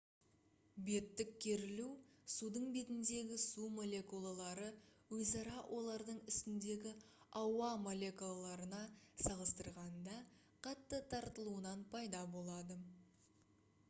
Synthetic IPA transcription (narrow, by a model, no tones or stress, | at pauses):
be̞t̪ːɪkʲʰːe̞ɾɪlusud̪əɴbe̞t̪ɪnd̪e̞ɡʲɪsumo̞lʲˠe̞kulˠalˠɑɾəwɵzɑɾɑwʔo̞lˠɑɾd̪əɴɪst̪ɪnd̪e̞ɡʲɪ | ɑwɑmo̞lʲe̞kulˠalˠɑɾənɑsɑʁəst̪əɾʁɑnd̪ɑ | qʰɑt̪ːət̪ʰɑɾt̪əlˠuənɑnpʰɑjd̪ɑbo̞lˠɑd̪ə